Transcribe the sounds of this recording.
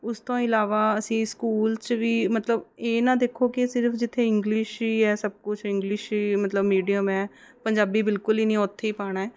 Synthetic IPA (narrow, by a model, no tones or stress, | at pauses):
ʊst̪õːɪlaːʋaːəsĩːskuːlt͡ʃʋiːmət̪ləbeːnãːd̪eːkʰoːkɪsɪɾfʰd͡ʒɪt̪ʰːeːɪŋɡlɪʃiːɛːsəb̚kʊt͡ʃʰɪŋɡlɪʃiːmət̪ləbmiːɖijəmɛː | pəɲd͡ʒaːbiːbɪlkʊliːnĩːoːt̪ʰːeːiːpaːɳaɛː